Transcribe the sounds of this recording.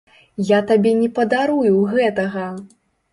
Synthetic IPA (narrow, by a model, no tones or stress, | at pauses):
jat̪abʲɛnʲɛpɐd̪aɾujuɣɛt̪ɐɣɐ